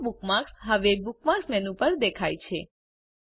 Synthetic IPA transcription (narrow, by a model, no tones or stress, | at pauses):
bukmaksɦəʋeːbukmaksmɛnũpəɾd̪ekʰajt͡ʃʰe